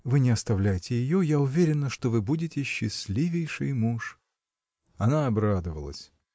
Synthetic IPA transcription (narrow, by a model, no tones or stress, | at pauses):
vɨnʲɪɐst̪ɐvlʲæjɪtʲɪjɪjojaʊvʲeɾʲɪnːəʂt̪ovɨbudʲɪtʲɪɕːɪsʲlʲivʲɪjʂɨ̰jmuʂ | ɐnaɐbɾad̪əvə̰lˠə̰sʲ